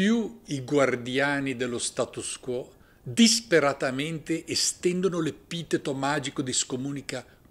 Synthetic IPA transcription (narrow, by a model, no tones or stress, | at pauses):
juiɡward̪jaːnid̪elːost̪at̪uskwɔ | d̪ispeɾat̪ament̪eʔest̪ɛnd̪onolepiːt̪et̪omaːd͡ʒikod̪iskomuːnika